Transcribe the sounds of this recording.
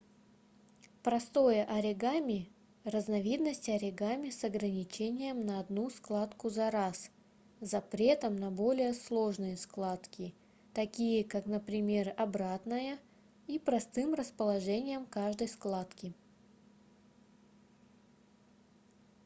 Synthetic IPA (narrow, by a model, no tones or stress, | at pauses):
pɾɐst̪o̞jəʔɐɾʲɪɡamʲɪ | rəznɐvʲid̪nəsʲtʲɐɾʲɪɡamʲɪsɐɡɾənʲɪt͡ɕenʲɪjəmnəɐd̪nusklˠat̪kʊzɐɾas | zɐpɾʲet̪əmnɐbo̞lʲɪjəslˠo̞ʐnɨjəsklˠat̪kʲɪ | t̪ɐkʲijəkaknəpɾʲɪmʲerɐbɾat̪nəjə | ipɾɐst̪ɨmrəspəlˠɐʐɛnʲɪjəmkaʐd̪əjsklˠat̪kʲɪ